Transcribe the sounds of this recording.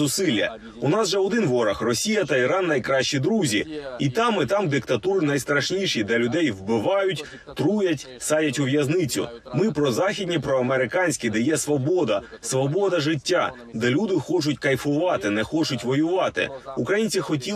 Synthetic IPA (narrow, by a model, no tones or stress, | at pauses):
ʊsɪlʲːɐ̰ | ʊnɑzʒɛɔd̪ɪnʋɔɾɐxrɔsʲijɐt̪ɐiɾɑnːɐjkɾɑʃt͡ʃid̪ɾuzʲiit̪ɑmɪt̪ɑmd̪ɪkt̪ɐt̪uɾɪnɐjst̪ɾɐʃnʲiʃid̪ɛlʲʊd̪ɛjwbɪʋɑjʊtʲ | t̪ɾujɐtʲ | sɑjʲɐtʲʊʋjɐznɪt͡sʲʊ̰mɪpɾɔzɑxʲidʲnʲipɾɔɐmeɾɪkɑnʲsʲkʲid̪ɛjɛsʋɔbɔd̪ɐsʋɔbɔd̪ɐʐɪtʲːa | d̪ɛlʲud̪ɪxɔt͡ʃʊt̚ʲkɐjfʊʋɑt̪ɪnɛxɔt͡ʃʊtʲʋɔjʊʋɑt̪ɪ̰ukɾɐjinʲt͡sʲixɔtʲi